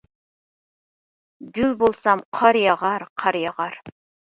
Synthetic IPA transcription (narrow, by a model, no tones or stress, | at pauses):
ɡ̪ylbolˠsɑmqʰɑɾjɑʁɑɾqʰɑɾjɑʁɑɾ